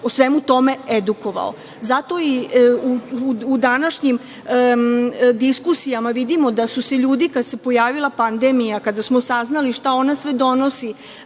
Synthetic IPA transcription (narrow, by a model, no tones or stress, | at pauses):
osʋe̞mut̪o̞me̞ed̪uko̞ʋa̰o̰ | zat̪o̞iuud̪anaʃɲim | d̪iskusijamaʋid̪imo̞d̪asuse̞ʎuːd̪ikad̪se̞po̞jaːʋilˠapand̪e̞mijakad̪asmo̞saznaliʃt̪ao̞nasʋed̪o̞no̞si